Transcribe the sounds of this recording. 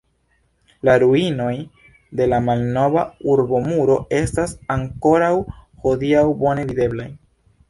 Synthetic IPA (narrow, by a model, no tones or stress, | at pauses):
laɾuino̞j | de̞lamalno̞vauɾbo̞muɾo̞e̞stasaŋko̞ɾawho̞diawbo̞ne̞vide̞blaj